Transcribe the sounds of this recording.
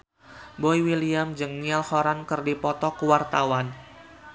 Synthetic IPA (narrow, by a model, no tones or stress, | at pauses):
bɔiwiliamd͡ʒəŋnialhɔɾankərdipɔt̪ɔkuwart̪awan